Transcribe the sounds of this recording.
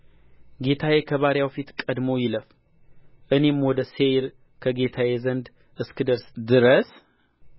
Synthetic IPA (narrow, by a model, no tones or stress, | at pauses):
ɡe̞t̪ʰajekʰəβaɾjawfit̪kʼəd̪mo̞jɪləf | ʔɨne̞mwɔd̪əsejɾ | kʰəɡe̞t̪ʰajɛzənd̪ | ʔɨskɨd̪əɾsd̪ɨɾəs